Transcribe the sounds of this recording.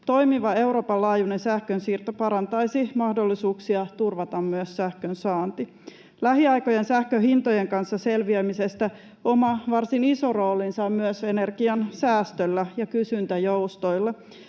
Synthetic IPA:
t̪o̞jmiʋɑe̞uɾo̞ːpɑllɑːjune̞nsæhkønsiːrt̪opɑɾɑnt̪ɑjsimɑhdo̞lːisuːksiɑt̪urʋɑt̪ɑmmyøssæhkønsɑːnt̪i | læɦiɑjko̞jensæhkøɦint̪oje̞ŋkɑnsːɑselʋiæmise̞st̪æ | omɑʋɑrsiniso̞ro̞ːlinsɑmmyøse̞ne̞rɡ̥iɑnsæːst̪ølːæjɑkysynt̪æjo̞wst̪ojlːɑ

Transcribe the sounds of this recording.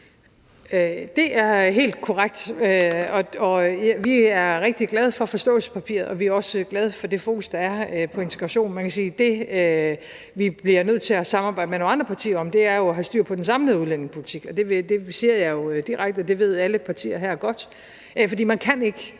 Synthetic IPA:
ød̥e̝æɐɦe̝̰ːld̥kʰɒʁaɡ̥̚d̥øɒ̽ɒ̽jʋiæɐʁeɡ̥̚d̥iɡ̥lɛð̞ˠfɒ̽fɒ̽sd̥ɔ̰̽ːl̩sə̥pʰæpʰḭːɐðˠɒ̽ʋiæɐɒ̽sɡ̥lɛð̞ˠfɒ̽d̥e̝fo̝ːkʰusd̥ɑ̈æɐøpʰɒ̽e̝nt͡sʰeɡ̥ʁɑ̈ɕo̝̰ːnmænkʰæsiːd̥e̝ø | ʋib̥liɐnøð̞̰ˠt͡sʰe̝læsɑ̈mɑ̈bɑ̈ɪd̥əmenonɑ̈nd̥ʁɐpʰɑ̈t͡sʰḭːɐɒ̽md̥e̝æɐjo̝ɦæsd̥yɐ̰pʰɒ̽d̥ensɑ̈mliðˠuðˠlen̰e̝ŋpʰo̝lit͡sʰiɡ̥ɒ̽d̥e̝d̥e̝siɐjɑ̈jo̝d̥iʁaɡ̥d̥ɒd̥e̝ʋe̝ð̞̰ˠæləpʰɑ̈t͡sʰḭːɐɦæɐ̰ɡ̥ɒ̽d̥ | fɒd̥ḭːmænkʰæne̝ɡ̥ə

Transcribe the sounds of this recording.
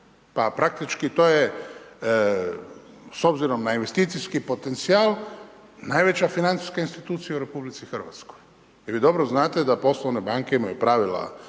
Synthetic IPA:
papɾak̚t̪it͡ʃkit̪o̞ːje | so̞bziɾo̞mnainʋe̞st̪it̪sijskipo̞t̪e̞nt̪siaːlˠ | najʋe̞t͡ɕafinant̪i̥skainst̪it̪uːt̪sijauɾe̞publit̪sixr̩ʋa̰t̪skoj | ʋiːd̪o̞bɾoznaːt̪e̞d̪apo̞slˠoʋne̞baŋke̞imajupɾaʋila̰

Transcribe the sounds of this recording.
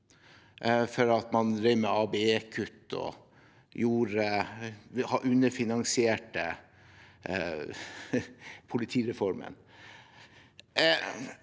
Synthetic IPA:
fɔɾɑt̪mɑnɾɛɪməɑːbeeːkʰʉt̪ːɔ̰ | juːɾə | hɑʔʉnːəfɪnɑŋsɪeːʈə | pʰʊlɪt̪ʰiːɾɛfɔɾmə̰n

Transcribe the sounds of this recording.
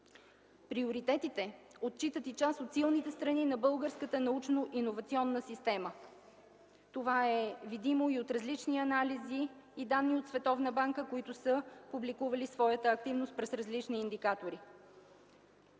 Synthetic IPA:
pɾioɾit̪ɛt̪it̪ɛot̪̚t͡ʃit̪ət̪it͡ʃast̪ot̪silˠnit̪ɛst̪ɾɐninɐbɤlˠɡəɾskət̪ənɐut͡ʃnoʔinovɐt̪siɔnːəsist̪ɛmə | t̪ovaɛvid̪imoiot̪ɾɐzlit͡ʃniɐnaliziːd̪anːiot̪svɛt̪ɔvnəbaŋkəkoit̪ʊsəpublikuvɐlisvɔjət̪əːk̚t̪ivnost̪̚pɾɛsɾɐzlit͡ʃniːnd̪ikat̪oɾi

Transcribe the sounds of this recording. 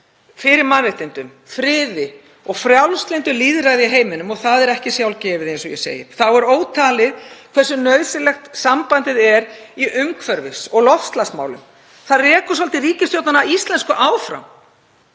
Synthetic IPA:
fɪɾɪɾmanrɪht̪ɪnt̪ʏm | fɾɪːðɪ | ɔɣfɾjawlst̪lɪjnt̪ʏliːðɾaɣðɪiɦeːjmɪnʏmɔɣθaðɛɾɛhcɪsjawlcɛːvɪðejnsɔjɛ̰sḛːjɪ̰θawɛɾoːwt̪ʰaːlɪðkʰvɛrsːʏnœɥðsɪlɛxt̪sampant̪ɪðɛɾiʔʏmkʰvɛɾvɪsɔɣlɔfst̪lasma̰wlʏ̰m | θaðrɛːkʏs̬alt̪ɪriːcɪst̪jowt̪nanaist̪lɛnskʏʔaːwfɾa̰m

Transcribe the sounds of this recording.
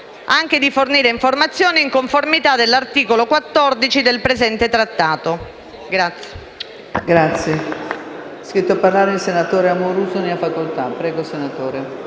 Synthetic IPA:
aŋk̟ed̪iforniːɾeiɱformat̪sːjoːniiŋkoɱformit̪ad̪elːart̪iːkolokwat̪ːɔrd̪it͡ʃid̪elpɾezɛnt̪et̪ɾat̪ːaːt̪o | ɡɾat̪sːje̥ | ɡɾat̪sje | ɛskɾit̪ːoaparlaːɾeilsenat̪oːɾeamːoɾuːsoniafakolt̪apɾɛːɡosenat̪oːɾe

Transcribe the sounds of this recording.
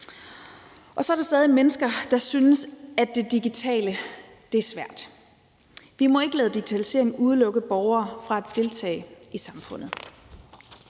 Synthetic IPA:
ʔɒ̽sɒ̽æɐɾ̥ɑsd̥ɛːð̞ˠimenəsɡ̥ɐd̥ɑ̈synəsæd̥ːe̝d̥iɡ̥it͡sʰɛ̰ːlə | d̥e̝æɐsʋæɐ̰d̥ | ʋimɒ̽e̝ɡ̥əlɛːð̩ˠd̥iɡ̥it͡sʰælise̝̰ɐ̰eŋn̩uð̞ˠəlɔ̽ɡ̥əb̥ɒʊɐːfʁɑ̈æd̥ːe̝lt͡sʰɛ̰ːɪisɑ̈mfɔ̽n̰ð̩ˠ

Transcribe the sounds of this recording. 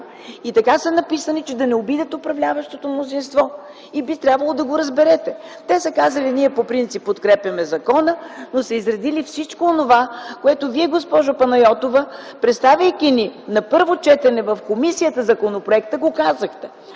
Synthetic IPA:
it̪ɐkasɐnɐpisənit͡ʃɛd̪ɐnɛobid̪ət̪opɾɐvlʲavəʃt̪ot̪omnozinst̪vɔ | ibit̪ɾʲabvɐlˠod̪ɐɡoɾɐzbɛɾɛt̪ɛt̪ɛsɐkazəliniɛpopɾint̪sipːot̪kɾɛpʲjɐmɛzɐkɔnənosɛizɾɐd̪ilifsit͡ʃkoːnovakoɛt̪oviɛɡospɔʒʊpɐnɐjɔt̪ovəpɾɛt̪st̪avʲəjkʲininɐpɤɾvot͡ʃɛt̪ɛnɛvɐfkomisijət̪əzɐkonopɾoɛk̚t̪əɡokazəxt̪ɛ

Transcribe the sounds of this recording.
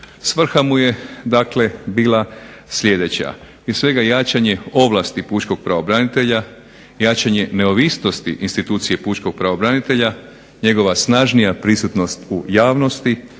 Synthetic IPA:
sʋr̩xamuje̞d̪akle̞biːla | sʎʲe̞d̪e̞t͡ɕa̰ | pɾiesʋe̞ɡajaːt͡ʃaɲe̞o̞ʋlˠast̪ipuːt͡ʃko̞ɡ̥̚pɾaʋobɾanit̪e̞ʎa | jaːt͡ɕaɲene̞oʋisno̞st̪iʔinst̪it̪uːt̪sije̞puːt͡ʃko̞ɡ̚pɾaʋobɾanit̪e̞ʎa | ɲe̞ɡo̞ʋasnaʒnijapɾisut̪no̞st̪ujaːʋno̞st̪i

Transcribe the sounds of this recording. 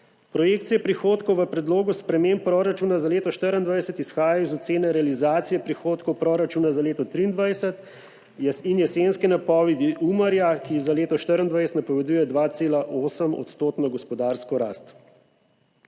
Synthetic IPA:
pɾɔjeːkt̪sijɛpɾixoːt̪kɔwʋəpɾɛd̪loːɡuspɾɛmempːɾɔɾat͡ʃuːnazaleːt̪ɔʃt̪əɾənd̪ʋajsɛt̪isxaːjajɔizɔt̪seːnɛɾɛalizaːt̪sijɛpɾixoːt̪kɔwpɾɔɾat͡ʃuːnazaleːt̪ɔt̪ɾiːnd̪ʋajsət̪ | jɛsinjɛsenskinapɔːʋɛd̪iʔuːmaɾjakizaleːt̪ɔʃt̪əɾənd̪ʋajsɛ̥t̪napɔʋɛd̪uːjɛd̪ʋat̪seːlaʔoːsəmɔ̰t̪st̪oːt̪nɔɡɔspɔd̪aːɾskɔɾa̰ːst̪

